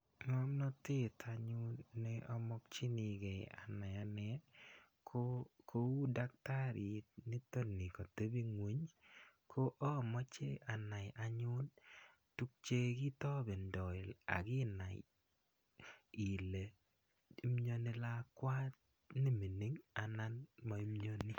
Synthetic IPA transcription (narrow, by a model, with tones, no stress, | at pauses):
ŋɔ˦mnɔ˦tɪ˦tʰa˨ɲʊ˦nːɪ˦ʔɔ˦mɔ˦k̚t͡ʃi˦ni˨ɡɛ˨ja̰˨na˨ja˨˦nɛ˦ | kʰo˦kʰo˦u˦da˦k̚ta˦ɾi˨nɪ˦to˦nːi˨kɔ˨te˦bi˦ŋwe˨˦ɲkʰo˦ʔɔ˦˨mɔ˦t͡ʃe˦a˨na˨ja˨ɲʊ˦n | tu˦k̚t͡ʃe˦ɡi˦tɔ˦be˨ndɔ˨ɪ˨la̰˨ɡɪ˦na˨j | i˨le˨ | i˦mɲo˦ni˦la˦kwa˦t̪ | ni˦mi˨ni˦ŋa˨na˦nma˨i˦mɲo˦ni˦